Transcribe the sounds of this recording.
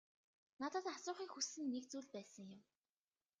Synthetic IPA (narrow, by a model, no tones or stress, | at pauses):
nat̪ə̆t̪asʊːχiːkxusɘ̆nːekt͡suːɮpæːsə̆ŋjʊ̆m